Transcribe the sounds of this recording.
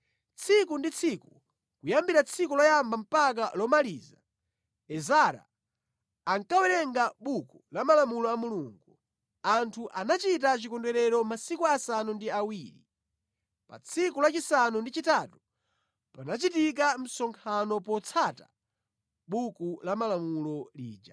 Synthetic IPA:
t͡sʰikundit͡sʰiku | kujambiɾat͡sʰikulɔjambam̩pak̬alɔmaliːza | ɛzaɾa̰ː | ŋkawɛɾɛŋɡaɓukulamalamulɔamuluŋɡu | antʰuʔanat͡ʃitat͡ʃikɔndɛɾɛɾɔmasikuasanundiawiːɾḭ | pa̰t͡sʰikulat͡ʃisanundit͡ʃitaːtu̥ | panat͡ʃitik̬am̩sɔŋkʰanɔpɔt͡sʰata | ɓukulamalamulɔlḭːd͡ʒa

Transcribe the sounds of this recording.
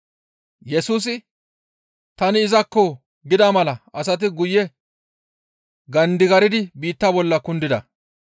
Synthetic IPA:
jɛsuːs̬ɪ | t̪ɐnɪːzɐkːɔ | ɡɪd̪ɐmɐlɐʔɐs̬ɐt̪̬ɪɡʊjːɛ | ɡɐnd̪ɪɡɐɾɪd̪ɪbiːt̪ːaːbɔlːɐkʊnd̪ɪd̪ɐ̰

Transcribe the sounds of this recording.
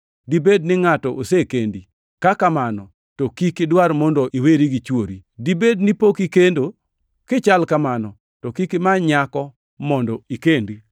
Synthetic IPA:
dibednɪŋatɔʔosekendi | kakamanɔ | tokikɪdwaɾmɔndoʔiweɾiɡit͡ʃwoɾidibednɪpokikendo | kɪt͡ʃalkamanɔ | tɔkikɪmaɲakɔ | mɔndɔikendi

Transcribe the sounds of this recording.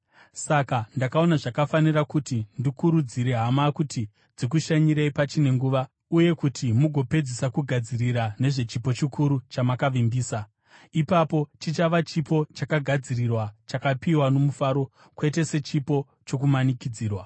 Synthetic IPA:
sakandakao̞naʐakafanirakutindikuɾud͡ziɾe̞ɦamakuti | d͡zik̬uʃaɲiɾeipat͡ʃine̞ŋɡuːʋa | uje̞kutʰimuɡʱo̞pe̞d͡zisakuɡʱad͡ziriɾane̞ʐe̞t͡ʃipo̞t͡ʃikʰuɾut͡ʃamakaʋimbiːsa | ipapo̞t͡ʃit͡ʃaʋat͡ʃipo̞t͡ʃakaɡʱad͡zirirwat͡ʃakapiwano̞mufaːɾo̞ | kwe̞t̬e̞se̞t͡ʃipo̞ | t͡ʃo̞k̬umanikid͡ziːrwa

